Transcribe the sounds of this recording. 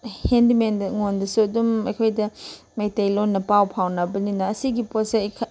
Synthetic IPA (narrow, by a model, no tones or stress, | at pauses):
hendimendŋondɐsuɐdumɐ̰jkʰojdɐ | mejtejlonːɐpawpʰawnɐbɐninɐːsiɡiposekʰ